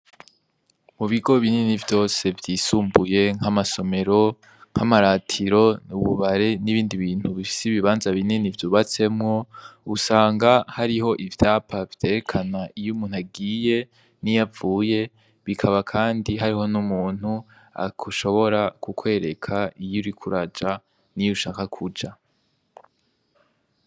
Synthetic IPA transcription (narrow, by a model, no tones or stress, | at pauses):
muβiɡo̞βininivjo̞ːse̞vjiːsuːmbuje̞ŋ̥amaso̞me̞ɾo̞ | ŋ̥hamaɾaːtʰiɾo̞uβuβaɾe̞niβiːndiβiːn̥huβifi̥siβiβaːnzaβininivjuːβat͡se̞mŋo̞usaːŋɡahaɾiɦo̞ʔivjaːpʰav̥tʰe̞ɾekʰanaijumuːn̥aɡiːje̞ | nijavuːje̞ | βikʰaβakʰaːndiɦaɾiɦo̞numuːn̥hu | a̰kʰuʃo̞βo̞ɾakukwe̞ːɾe̞kʰaijuɾikʰuɾad͡ʒa | nijuʃaːkakʰud͡ʒa